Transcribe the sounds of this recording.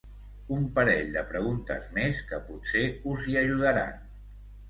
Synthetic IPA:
umpəɾɛʎd̪əpɾəɣ̞unt̪ə̰zmeskəpuseuziəʒuðəɾa̰n

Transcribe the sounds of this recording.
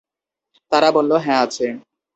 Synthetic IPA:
t̪aɾabolːoɦɛ̃at͡ɕʰe

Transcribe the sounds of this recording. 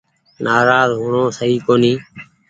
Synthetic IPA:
nʔaːɾaːzɦuːɳõːsəɦiːkoːniː

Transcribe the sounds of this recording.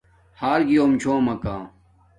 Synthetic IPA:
haːɾɡijoːmt͡ɕʰoːmɐkãː

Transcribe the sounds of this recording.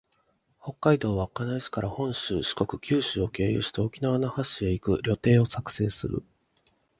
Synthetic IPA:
ho̞kːaid̪o̞ːβakanaʑi̥kaɾʔahõ̞ɰ̃ɕɨːɕi̥ko̞kɯ̟kʲɨːɕɨːo̞ke̞ːjɯ̰ɕi̥t̪eo̞kʲinaβanahaɕie̞ikɯ̟ɾʲo̞t̪e̞ːo̞sakɯ̟̥se̞ːsɨɾɯ̟̰

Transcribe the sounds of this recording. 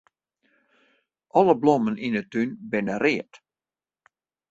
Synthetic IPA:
ʔɔləbloməninətynbɪnərɪət

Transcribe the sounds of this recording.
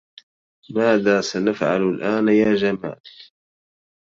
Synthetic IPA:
maːðaːsanafʕa̰lalʔaːnjaːd͡ʒama̰ːl

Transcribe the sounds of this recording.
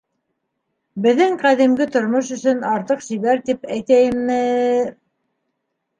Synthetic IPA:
bɘ̆ðɘŋqæðimɡɘt̪ŏɾmoʃɵ̆sɵnɑɾt̪ɤqʃiβæɾt̪ipæjt̪æjɘ̆mnɘ

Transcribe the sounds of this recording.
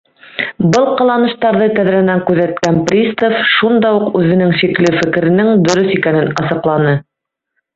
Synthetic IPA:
bɤlˠqɑ̆lˠɑnɤ̆ʃt̪ɑɾðɤt̪æðɾænæŋkʉðæt̪̚kænprʲist̪ofʃund̪ɑuqʉðɘ̆nɘŋʃiklɘfɘ̆kɘ̆ɾɘ̆nɘŋd̪ɵ̆ɾɵsikænɘnɑsɤ̆qlˠɑnɤ

